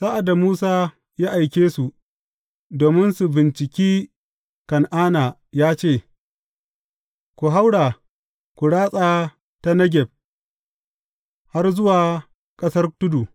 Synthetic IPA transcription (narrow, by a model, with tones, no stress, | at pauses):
saː˦ʔa˨da˨muː˦saː˦ | jaː˦ʔa˨jkʲeː˦su˨ | doː˨mɪ˦nsu˨bɪ˨nt͡ʃɪ˨kʲiː˦ | kɐ˨nʔaː˦naː˨ | jaː˦t͡ʃeː˦˨ | kʷu˨ɦa˦wɽaː˨ | kʷu˨ɽaː˦sʼaː˦ | ta˦nɐ˦ɡʲɛ˨b̚ | ha˦rzʊ˦waː˨ | kʼɐ˦sɐ˦rtʊ˦du˨